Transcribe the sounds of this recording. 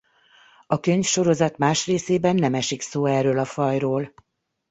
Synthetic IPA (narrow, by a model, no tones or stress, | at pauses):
ɒkøɲfʃo̞ɾo̞zɒt̪maːʃreːseːbɛnːɛmɛʃiksoːɛrøːlɒfɒjroːl